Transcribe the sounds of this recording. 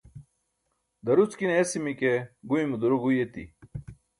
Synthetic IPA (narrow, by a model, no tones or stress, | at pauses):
d̪ɐɾut͡skineːsimikeɡuimud̪uɾuɡujet̪ḭ